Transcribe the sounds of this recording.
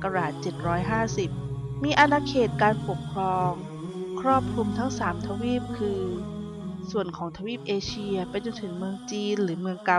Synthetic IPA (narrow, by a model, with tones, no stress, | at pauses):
ka˧ɾaː˨˩t̪̚t͡ɕe˨˩t̪̚ɾɔː˦˥jɦaː˥˩si˨˩p̚ | miː˧ʔa˧naː˧kʰeː˨˩t̪̚kaː˧npo˨˩kʰɾɔː˧ŋ | kʰɾɔː˥˩p̚kʰu˧mt̪ʰa˦˥ŋsaː˩˦mt̪ʰa˧wiː˥˩p̚kʰɯː˧ | su˨˩ənkʰɔː˩˦ŋt̪ʰa˧wiː˥˩p̚ʔeː˧t͡ɕʰi˧ɐ˧pa˧jt͡ɕo˧nt̪ʰɯ˩˦ŋmɯ˧əŋt͡ɕiː˧nlɯː˩˦mɯ˧əŋka˧